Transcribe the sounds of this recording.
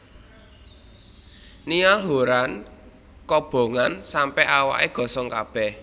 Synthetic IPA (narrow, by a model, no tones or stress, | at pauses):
niɔlɦoɾan | kɔb̥o̤ŋansampɛʔawa̰ʔeɡ̥ɔ̤sɔŋkab̥ɛh